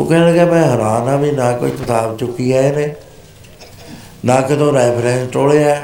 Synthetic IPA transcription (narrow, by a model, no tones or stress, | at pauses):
o̰ːkɛːɡaːmɛ̃ːɦəɾaːnãːbʱiːnãːko̰iːk̪ɪt̪aːbt͡ʃʊkiːaːenẽː | nãːkɪt̪õːɾɛːpʰɾɛ̃ːsʈoːɽeːaɛː